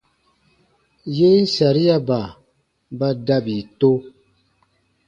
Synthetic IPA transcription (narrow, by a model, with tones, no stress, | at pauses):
je˦n̩˦sa˨ɾi˦ja˦ba˨ | ba˦da˦bi˨to˦